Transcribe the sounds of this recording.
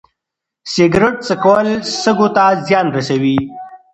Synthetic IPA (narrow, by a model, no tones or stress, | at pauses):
sɪɡɾɪʈ̚t͡səkawəlsəɡot̪azjɑnɾasawi